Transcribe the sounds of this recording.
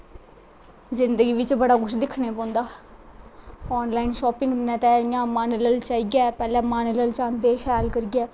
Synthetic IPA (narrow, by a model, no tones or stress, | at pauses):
zɪnd̪əɡiːʋɪt͡ʃbəɽaːkʊʃd̪ɪkʰneːpɔ̃ːnd̪aː | ɔːnlaːinʃɔːpɪ̃ŋɡ̪nɛ̃ːt̪ɛ̃ːijãːmaːnləlt͡ʃaːiɡaːpɛːlɛ̃ːmaːnələlt͡ʃãːnd̪eːʃʰɛːlkəɾiɡaː